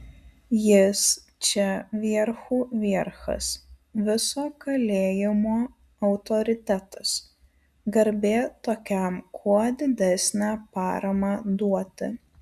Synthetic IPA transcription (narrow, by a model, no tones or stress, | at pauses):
jɪs | t͡ʃʲɛʋʲiɛɾxuːʋʲiɛɾxɐ̰s | ʋʲɪsoːkɐlʲeːjɪmoː | ɐʊt̪ɔɾʲɪt̪ʲæt̪ɐs | ɡɐɾʲbʲeːt̪oːkʲɛˑmkʰuɔd̪ʲɪd̪ʲɛsʲnʲæːpɑːɾɐmɑd̪uɔt̪ʲɪ̰